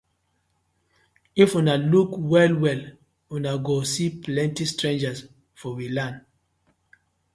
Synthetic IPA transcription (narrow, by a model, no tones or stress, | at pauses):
ifunalukwɛlwɛl | unaɡosiplɛ̃ntistɹẽnd͡ʒas | fɔwilãn